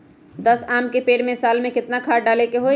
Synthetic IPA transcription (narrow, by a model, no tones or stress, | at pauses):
d̪əsaːmkepeːɽmẽsaːlmẽkɪt̪nakʰaːʈɖaːlekeɦo